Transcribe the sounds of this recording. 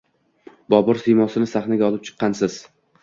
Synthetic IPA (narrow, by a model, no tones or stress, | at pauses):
bɒbɪɾsijmɒsɪnɪsaχnaɡʲaɒlˠɪp̚t͡ʃʰɨ̥qːɑnsɪz̥